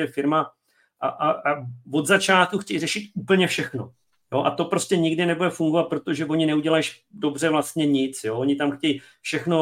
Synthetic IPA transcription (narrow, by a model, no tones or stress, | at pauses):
ɛfɪɾma | ʔaʔaavo̞d̪zat͡ʃaːt̪̚kuxcɛjrɛʃɪt̪uːpl̩ɲɛfʃɛxno̞ | jo̞ʔa̰t̪o̞pɾo̞scɛɲɪɡdɪnɛbudɛfuŋɡovat̪̚pɾo̞t̪o̞ʒɛvo̞ɲɪnɛuɟɛlajʃ | do̞br̝ɛvlast̪ɲɛɲɪt͡sjo̞ːoɲɪt̪amxcɛj | fʃɛxno̞